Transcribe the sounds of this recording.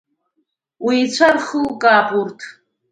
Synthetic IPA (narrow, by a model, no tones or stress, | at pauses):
wiːt͡sʷʰarχəlkʼaːpʼurtʰ